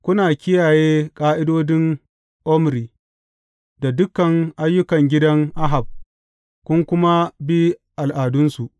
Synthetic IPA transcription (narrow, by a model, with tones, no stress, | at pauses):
kʷʊ˦naː˨kʲɪ˦jaː˨jeː˦kʼaː˦ʔɪ˦doː˦dɪ˦ŋ | ʔɔ˦m˨ɾiː˨ | da˨dʊ˦kɐ˨ŋʔa˦jːʊ˦kɐ˨ŋɡʲɪ˦dɐ˦ŋʔa˦ɦa˨b̚ | kʷʊ˦ŋkʷʊ˦ma˦bi˦ʔa˨lʔaː˨dʊ˦nsu˨ʔ